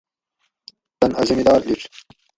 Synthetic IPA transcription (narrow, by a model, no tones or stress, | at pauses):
t̪ɐnɐzɐmid̪ɑːɾliʈ͡ʂ